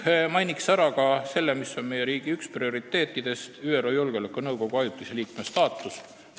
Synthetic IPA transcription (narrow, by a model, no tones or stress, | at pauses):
mɑjnʲiksæɾɑkɑse̞lːemisːo̞nme̞je̞ɾiːɡ̥iyksprio̞ɾit̪ːˑe̞ːt̪ːˑid̪̥e̞st̪yːeɾoːjolɡ̥eolekːˑunɤwɡ̥o̞ɡ̥uɑjut̪ːˑiseliːkmest̪ɑːt̪ːˑus